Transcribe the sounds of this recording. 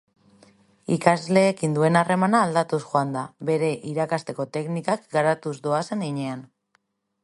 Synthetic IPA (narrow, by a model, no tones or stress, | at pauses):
ikazle̞ːkind̪ue̞nare̞manaːld̪at̪usxoand̪aβe̞ɾe̞ʔiɾakast̪e̞ko̞t̪e̞knikakɡaɾat̪uzd̪oase̞ŋd̪iɲe̞an